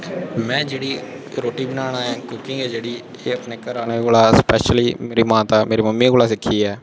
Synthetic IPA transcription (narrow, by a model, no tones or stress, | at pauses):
mɛ̃ːd͡ʒeːɽiː | ɾoːʈiːbənaːɽ̃aːãːkʊkɪ̃ŋɡɛːd͡ʒeːɽiː | eːəpneːkəɾaːneːkoːlaːspɛːʃəliːmeːɾiːmãːt̪aːmeːɾeːməmːiːkoːlaːs̬ɪkʰːiːɛː